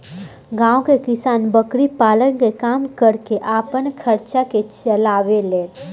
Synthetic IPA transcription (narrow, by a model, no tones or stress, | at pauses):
ɡãːõkekɪsaːnbəkɽipaːlənkekaːmkəɾkeʔaːpənkʰəɾt͡ʃaket͡ʃəlaːʋeleːt̪